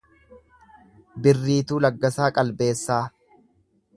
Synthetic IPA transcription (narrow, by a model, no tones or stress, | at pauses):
bɪrːiːt̪uːlɐɡːɐsaːkʼɐlbe̞ːsːaː